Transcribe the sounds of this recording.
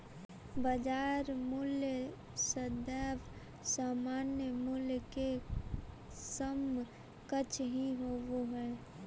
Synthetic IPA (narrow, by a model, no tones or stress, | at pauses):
bəd͡ʒaːɾmuljə | səd̪ɛːʋ | saːmaːnjəmuljke | səm | kət͡ʃʰɦiɦoːʋoɦɛː